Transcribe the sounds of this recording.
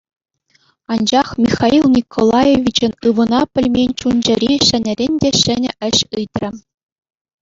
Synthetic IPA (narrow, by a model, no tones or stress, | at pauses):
ɑnd͡ʑɑχmʲixɑilˠnʲikʰolˠɑjeʋʲit͡ɕɘ̆nɯʋɤ̆nɑpʲɘ̆lʲmʲenʲt͡ɕund͡ʑɘ̆ɾʲiɕɘ̆nʲɘ̆ɾʲenʲdʲeɕɘ̆nʲɘ̆ɘ̆ɕɯt̪ʲrʲɘ̆